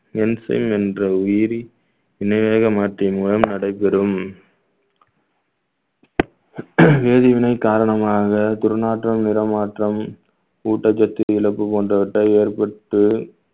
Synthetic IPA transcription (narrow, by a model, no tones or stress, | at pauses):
ɛnsɐ̰ɪmɛndrɐʊjɪɾi | ʋɪnɐʋeːɣɐmaːʈrimʊlɐmnɐɽɐɪpːɛɾɯm | ʋeːðɪʋɪnɐɪkːaːɾɐɳɐmaːɣɐt̪ʊɾɯnaːʈrɐmnɪɾɐmaːʈrɐm | uːʈːɐt͡ʃːɐt̪ːɪɪɭɐpːɯpoːndrɐʋɪʈːɐeːɾpɐʈːɯ